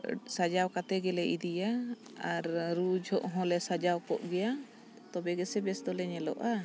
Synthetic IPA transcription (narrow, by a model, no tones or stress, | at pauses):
sad͡ʒawkat̪ɛɡɛlɛʔid̪ija | aɾɾud͡ʒʱɔʔɦɔ̃lɛsad͡ʒawkɔʔɡɛja | t̪ɔbɛɡɛsɛbɛsd̪ɔlɛɲɛlɔ̰ʔa